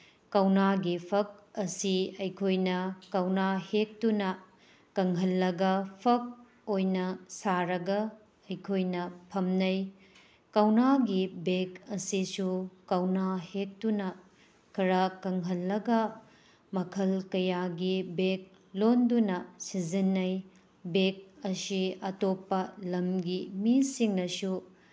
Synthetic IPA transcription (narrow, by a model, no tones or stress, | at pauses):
kɐwnaɡipʰɐk̚ɐsiɐjkʰojnɐkɐwnahek̚tunɐ | kɐŋɦɐlːɐɡɐpʰɐk̚ | ojnɐsaɾɐɡɐː | jkʰojnɐpʰɐmnɐj | kɐwnaɡibekɐsisukɐwnahek̚tunɐ | kʰɐɾakɐŋɦɐlːɐɡɐ | mɐkʰɐlkɐjaɡibek̚ | londunɐsizinːɐj | bek̚ɐsiɐtopːɐlɐmɡimisiŋnɐsu